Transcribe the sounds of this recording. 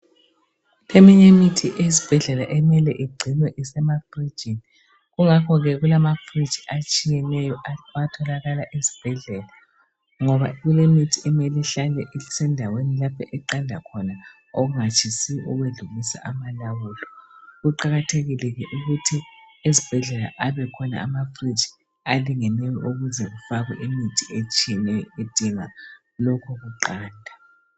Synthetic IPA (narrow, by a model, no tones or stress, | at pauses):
emiɲemitʰiʔesi̥b̥ʱɛɮɛlaʔɛmɛlɛʔiɡ͡ǀʱinwɛʔisɛmafri̥d͡ʒin | ɣuŋakʰɔɣɛɣulamafri̥d͡ʒ̥ʱiʔat͡ʃʼijɛnɛjɔatʰɔlaɣalaʔezi̥b̥ʱɛɮɛla | ŋɔβa̰ɣulemitʰiɛmɛliɬalɛ̰ʔisɛndʱawenilapʰɛʔɛǃandʱakʰɔna | oɣuŋat͡ʃʰʼisiʔɔɣweɮulisa̰ʔamalawulɔɣuǃaɣatʰeɣilɛɣɛʔuɣutʰiezib̥ʱɛɮɛla̰ʔaβɛkʰɔna̰ːmafrit͡ʃi̥ | aliŋɛnɛjɔʔuɣuzɛɣufaɣɛ̰ʔimitʰiet͡ʃʼnɛed̥ʱiŋa | lɔkʰɔɣuǃaːndʱa